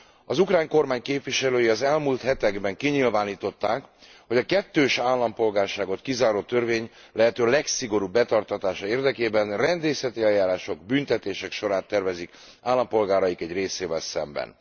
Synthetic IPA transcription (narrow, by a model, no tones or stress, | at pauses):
ɒzukraːɲko̞rmaːɲkeːpvʋiʃɛløːjiɒzɛlmult̪hɛt̪ɛɡbɛŋkiɲilvaːniːt̪o̞t̪ːaːkho̞ɟɒkɛt̪ːøːʃaːlːɒmpo̞lɡaːrʃaːɡo̞t̪kizaːɾoːt̪ːørveːɲ | lɛɦɛt̪øːlɛksiɡo̞ɾubːɛt̪ɒrt̪ɒt̪aːʃɒeːrd̪ɛkeːbɛnrɛnd̪eːsɛt̪iɛjːaːɾaːʃo̞ɡbynt̪ɛt̪eːʃɛkʃo̞ɾaːt̪ːɛrvɛzik | aːlːɒmpo̞lɡaːɾɒjikɛɟreːseːvɛlsɛ̰mbɛ̰n